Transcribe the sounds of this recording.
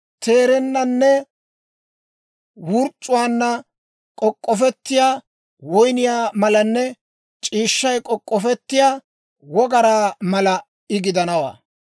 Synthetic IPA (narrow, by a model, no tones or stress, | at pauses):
t̪ʰe̞ːɾɛnːɐnːɛ | wʊɾt͡sʼːʊwaːnːɐ | kʼɔkʼːɔfɛt̪ːɪjaː | wɔjnɪjaːmɐlɐnːɛ | t͡ʃʼiːʃːɐjkʼɔkʼːɔfɛt̪ːɪjaː | wɔɡɐɾaːmɐlɐ | ɪɡɪd̪ɐnɐwa̰ː